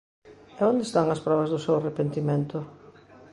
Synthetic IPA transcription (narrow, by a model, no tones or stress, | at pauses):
ɛõnd̪est̪aŋɐspɾɔβɐzðʊsewarepent̪imẽnt̪ʊ